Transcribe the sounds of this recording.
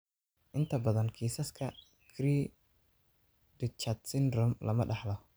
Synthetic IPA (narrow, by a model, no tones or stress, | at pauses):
ʔɪnt̪ʰɐbɐðɐnkʰiːsɐskʰɐ | kʰɾiː | dɪt͡ʃɐt̪sɪnrɔmlʔɐ̰mɐ̰ɖɑħlɐh